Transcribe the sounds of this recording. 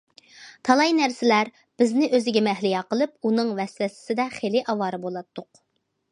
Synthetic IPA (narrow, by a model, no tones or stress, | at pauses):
t̪ʰɑlˠɑjnæɾsɪlæɾ | b̥ɪznɪʔøzɪɡʲɛmɛɦlɪjɑqəlˠɨp̚unɨŋvɛslɛsɪ̥sɪd̪ɛχelɪʔɑwɑːɾɨbolˠɑt̪ʰːʊq